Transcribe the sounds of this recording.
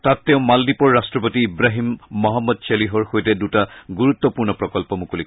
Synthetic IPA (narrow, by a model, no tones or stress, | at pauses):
tatːɛʊ̃maldipɔɹːastɹɔpotiːbɹaɦimːɔɦɔmːɔdseliɦɔɹxojtɛdutaɡuɹut̪ːɔpuɹnɔpɹɔkɔlpɔmukuli